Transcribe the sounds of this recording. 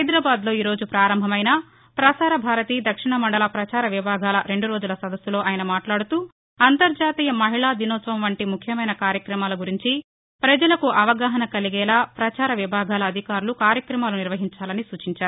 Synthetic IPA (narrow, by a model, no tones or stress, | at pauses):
ɦɐjd̪ɾaːbaːd̪lo̞ːiːɾo̞ːd͡ʒupɾaːɾɐmbʱɐmɐjnɐ | pɾɐsaːɾɐbʱaːɾɐt̪iːd̪ɐkʂiɳɐmɐɳɖɐlɐpɾɐt͡ʃaːɾɐʋibʱaːɡaːlɐɾe̞ɳɖuɾo̞ːd͡ʒulɐsɐd̪ɐsːulo̞ːʔɐːjɐnɐmaːʈlaːɽut̪uː | ɐnt̪ɐɾd͡ʒaːt̪iːjɐmɐɦiɭaːd̪inɔːsɐɐmʋɐɳʈimukʰjɐmɐjnɐkaːɾjɐkɾɐmaːlɐɡuɾiɲt͡ʃi | pɾɐd͡ʒɐlɐkuʔɐʋɐɡaːɦɐnɐkɐliɡɛːlaːpɾɐt͡ʃaːɾɐʋibʱaːɡʱaːlɐːd̪ʱikaːɾulukaːɾjɐkɾɐmaːluniɾʋɐɦiɲt͡ʃaːlɐnisuːt͡ʃiɲt͡ʃaːɾu